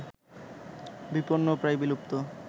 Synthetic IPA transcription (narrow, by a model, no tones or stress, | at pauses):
biponːopɾajbilup̚t̪o